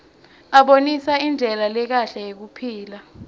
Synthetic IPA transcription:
aɓonisaind͡ɮʱɛlalɛk̬aɬajek̬upʰiːla

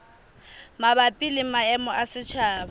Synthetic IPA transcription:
mabapʼilɪmaɛmɔʔasɪt͡ʃʰaːba

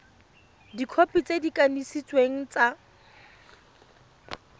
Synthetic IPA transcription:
dikʰopʼit͡sʼedikʼanisit͡sʼweŋ̩t͡sa

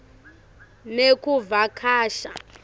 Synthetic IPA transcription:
nekuvakʰaːʃa̰

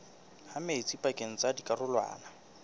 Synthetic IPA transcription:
hameɪt͡sʼipʼakʼeŋ̩t͡sʼadikʼarʊlwa̰ːna

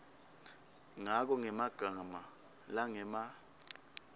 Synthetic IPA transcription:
ŋak̬ɔŋɛmaɡ̥ʱama | laŋɛma

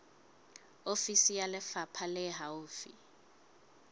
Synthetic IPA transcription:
ofisijalɪfapʰalɛɦauːfḭ

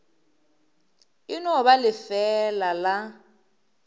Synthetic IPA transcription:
ɪnɔβalɪfɛlala

